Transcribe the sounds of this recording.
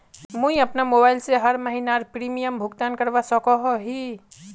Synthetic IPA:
mũiəpnamobaɪlseɦəɾməɦinaɾpɾimijəmbʱuɡt̪ankəɾbasəkɔɦɔɦi

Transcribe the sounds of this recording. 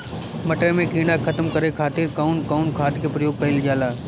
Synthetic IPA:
mɐʈəɾmẽkiːɽakʰət̪əmkɐɾekʰaːt̪ɪɾkaʊnkaʊnkʰaːd̪kepɾɐjoːɡ̚kɐɪld͡ʒaːlaː

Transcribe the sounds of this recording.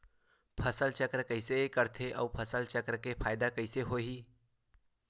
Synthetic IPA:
pʰɐsəlt͡ʃəkɾkəɪsekəɾt̪ʰeʔɔ̰ːpʰəsəlt͡ʃəkɾkepʰaːjɪd̪akɐɪseɦoːɦiː

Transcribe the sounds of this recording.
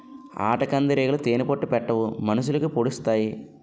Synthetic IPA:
a̰ːʈɐkɐnd̪ɐɾeːɡɐlɐt̪eːnipoʈːupɛʈːɐʋumɐnɐʃulɐkupoɽust̪aːji

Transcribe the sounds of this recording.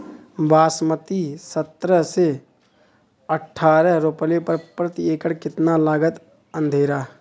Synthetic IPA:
baːsmət̪isət̪ɾəɦse | əʈʰːaːɾəɦɾoplepəɾpɾət̪ieːkəɽkɪt̪nalaːɡət̪ | ə̃nd̪ʱeːɾaː

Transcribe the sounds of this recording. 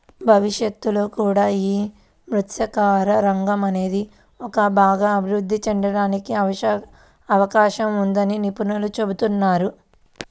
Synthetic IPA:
bʱɐʋiʃjɐt̪ːulo̞ːkuːɽaːiː | mɾut̪ʃɐkaːɾɐɾɐŋɡɐmɐne̞ːd̪i | ɔkɐbʱaːɡɐːbʱiɾud̪ʱːit͡ʃɛɳɖɐɽaːnikiɐɐ | ɐʋɐkaːʃɐmund̪ɐninipunɐlut͡ʃe̞but̪unːaːɾu

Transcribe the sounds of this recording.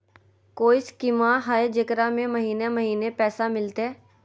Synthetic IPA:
koːɪskimaɦaːed͡ʒɐkɾamẽmɐɦiːnemɐɦiːnepɛːsamɪlt̪eɦɛː

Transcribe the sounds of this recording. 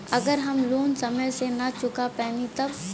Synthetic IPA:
ɐɡəɾɦɐmloːnsɐməjsenɐt͡ʃʊkapɛːnit̪ɐb

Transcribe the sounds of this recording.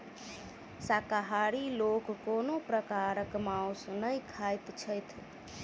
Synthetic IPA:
sakaɦaɾilokːonopɾəkaɾəkmãwsnəjkʰajt̪t͡ʃʰəjt̪ʰ

